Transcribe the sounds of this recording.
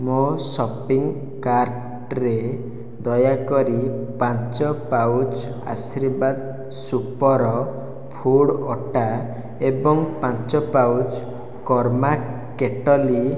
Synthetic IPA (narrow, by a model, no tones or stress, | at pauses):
mosɔpiŋ | kaɾʈ | ɾe | d̪ɔjakɔɾipãnt͡ʃɔpawd͡ʒ | a̰siɾbad̪ | supɔɾɔ | pʰuɽɔʈa | ebɔŋpãnt͡ʃɔpawd͡ʒ | kɔɾma | keʈɔli